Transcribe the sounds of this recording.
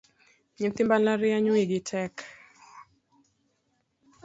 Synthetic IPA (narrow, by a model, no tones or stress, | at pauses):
ɲinθimbalaɾiaɲuiɡitʰɛk